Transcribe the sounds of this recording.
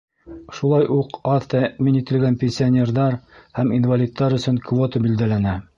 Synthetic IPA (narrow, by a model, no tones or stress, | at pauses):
ʃulˠɑjʔuqɑðt̪æminit̪ɘ̆lɡænpʲenʲsʲɪanʲerðɑɾhæminvalʲit̪ːɑɾɵ̆sɵŋkvot̪əbild̪ælænæ